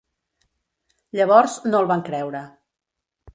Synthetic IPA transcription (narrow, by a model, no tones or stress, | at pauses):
ʎəβ̞ɔɾznolˠβaŋkɾɛwɾə